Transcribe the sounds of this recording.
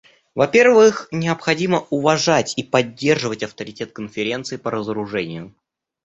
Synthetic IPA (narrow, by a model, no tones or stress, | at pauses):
vɐpʲe̞rvɨxnʲɪəpxɐdʲiməʔʊvɐʐatʲipɐdʲːe̞rʐɨvətʲɐft̪əɾʲɪtʲe̞t̪̚kənfʲɪɾʲe̞nt̪sɨɪpəɾəzəɾʊʐɛnʲɪjʊ